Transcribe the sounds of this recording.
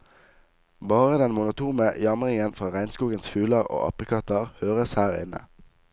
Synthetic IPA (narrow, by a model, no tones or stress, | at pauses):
bɑːʁəd̪ɛnmʊnʊt̪ʰuːməjɑmʁɪŋənfʁɑːʁæɪnskuːɡənsfʉːlɑʁo̰ːʔɑ̰pəkʰɑt̪ɑʁhøːʁəshæːʁɪ̰nə̰